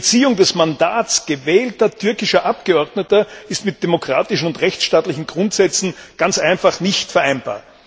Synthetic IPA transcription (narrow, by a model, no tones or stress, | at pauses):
t͡siːʊŋdɛsmandaːtt͡sɡ̥əvɛːltɐtʰʏɐkɪʃɐʔap̚ɡ̥əɔɐdnətɐɪstmɪt̚d̥emokʁ̥a̰ːtɪʃn̩ʊntʁɛçt͡sʃtaːtlɪçn̩ɡ̥ʁʊntz̥ɛt͡sn̩ɡ̥ant͡sʔæɪnfaχnɪçtfɛɐʔæɪnba̰ːɐt